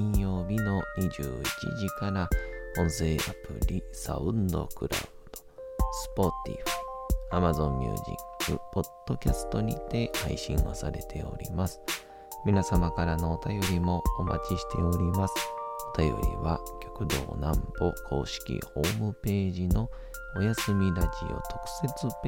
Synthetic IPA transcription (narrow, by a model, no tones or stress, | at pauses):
ĩjo̞ːbʲino̞ɲʲiʑɨ̰ːit͡ɕḭʑikaɾaõ̞ɰ̃se̞ːapɯ̟ɾʲisa̰ɯ̟̃nd̪o̞̰kɯ̟ɾa̰ɯd̪̥o̞sɨ̥po̞t̪ʲḭɸɯ̟̥amazõ̞mːʲɯ̰ːʑḭkːɯ̟po̞d̪̥ːo̞kʲasɨ̥t̪o̞ɲ̟ʲḭt̪e̞ha̰iɕĩɰ̃o̰saɾe̞t̪ʰe̞̰o̞̰ɾʲimasɨ̥ | mʲinasamakaɾano̞ːt̪ajo̞ɾʲimo̞ːma̰t͡ɕiɕi̥t̪e̞oɾʲimasɨ̥o̞t̪ajo̞̰ɾʲiβakʲo̞̥kɯ̟d̪o̞̰ːnãmbokʰo̞ːɕi̥kʲḭho̞ːmɯ̟pe̞ːʑino̞ | ojasɨmʲiɾaʑḭo̞̰t̪ʰo̞̥kɯ̟̥se̞t͡sɨp